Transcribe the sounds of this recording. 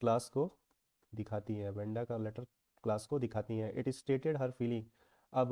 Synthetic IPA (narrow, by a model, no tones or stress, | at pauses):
klaːsko | d̪ɪkʰaːt̪iɦɛ̃bɛ̃ːɳɖakalɛʈəɾ | klaːskod̪ɪkʰaːt̪iɦɛ̃ʔɪʈɪzsʈeːʈeɖɦɐɾfiːlɪ̃ŋɡ | ɐb